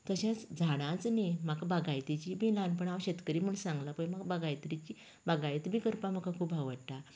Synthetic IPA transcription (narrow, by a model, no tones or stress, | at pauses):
t̪əɕãt͡sd͡zʱaɽ̃ãt͡snimakbaɡajt̪it͡ɕibʱilanpəɳawɕet̪kəɾiːm̤uɳsãŋɡlapəjmaɡbaɡajt̪ɾit͡ɕiː | baɡajt̪bʱiːkəɾpaməkakʰuːbaʋəʈa